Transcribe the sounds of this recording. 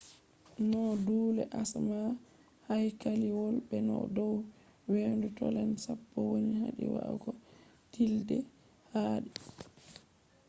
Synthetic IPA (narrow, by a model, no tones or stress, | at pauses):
nɔduːlɛʔasma | hajkaliwɔlbɛnɔ̰dɔw | wendutɔlɛnsapːɔwoniɦa̰ɗḭwa̰ʔɡɔ | tildɛ | haːɗi